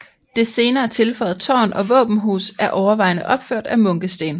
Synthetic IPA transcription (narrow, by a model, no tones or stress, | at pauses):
d̥e̝se̝ːnɐːt͡sʰe̝lfɒ̽ɪð̩ˠt͡sʰɒ̰ːnʔɒ̽ʋɔ̰ːb̥n̩ɦṵːsæɐʔɒʊɐʋɑ̈ɪnəʔɒ̽b̥føɐ̰d̥æmɔ̽ŋɡ̥əsd̥e̝̰ːn